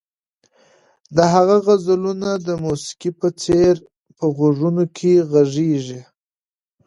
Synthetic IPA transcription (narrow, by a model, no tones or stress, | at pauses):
d̪əɦaɣaɣazəlunad̪əmusi̥kipət͡seɾ | pəɣoʐunokʰeɣaʐeʐi